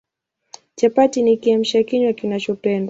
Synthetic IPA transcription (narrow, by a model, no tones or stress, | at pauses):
t͡ʃapatinikiam̩ʃakiɲwakinat͡ʃɔpɛnda